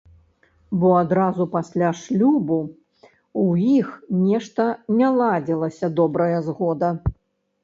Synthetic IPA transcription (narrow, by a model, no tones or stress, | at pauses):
bɔad̪ɾazupasʲlʲaʂlʲubu | ujixnʲɛʂt̪ɐnʲɛlˠad͡zʲɛlˠɐsʲɐd̪ɔbɾɐjɐzɣɔd̪ɐ